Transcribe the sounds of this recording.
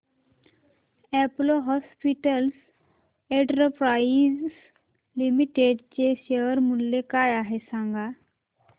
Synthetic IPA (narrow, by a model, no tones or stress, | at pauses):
ɛploɦɔspiʈəls | ɛ̃ʈɾəpɾazs | limiʈeɖt͡ɕeɕeʋəɾmulːekajaɦesãŋɡa